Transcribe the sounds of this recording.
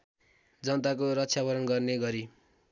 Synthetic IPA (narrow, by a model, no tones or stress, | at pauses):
d͡zʌnt̪akorʌtt͡sʰjabʌɾʌnɡʌrneɡʌɾi